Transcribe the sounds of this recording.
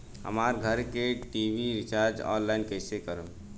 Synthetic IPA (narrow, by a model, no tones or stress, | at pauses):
ɦə̰maɾɡʱəɾkeʈibʱiɾit͡ʃaɾd͡ʒɔ̰nlainkəjsekəɾə